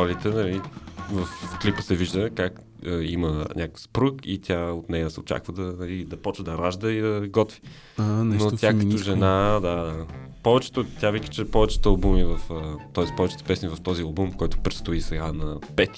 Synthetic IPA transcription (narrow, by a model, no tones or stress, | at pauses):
lit̪ɛnɐlivɐfklipəsɛviʒd̪əkak | əimənʲʔakəfspɾukit̪ʲjaot̪nɛjəsɛot͡ʃa̰kvəd̪ɐnɐlid̪ɐpɔt͡ʃvəd̪ɐɾaʒd̪əid̪ɐɡɔt̪vi̥ | annot̪ʲakɐt̪ɔʒɛnad̪ad̪apɔvɛt͡ʃɛ̥t̪ot̪javikə̥t͡ʃɛpɔvɛt͡ʃɛ̥t̪əɐlˠbumivəfət̪ɔɛspɔvɛt͡ʃɛt̪ə̥pɛsnivɐft̪ɔziɐlˠbumfkɔjt̪ʊ̥pɾɛt̪st̪ʊisɛɡanɐpɛt̪i̥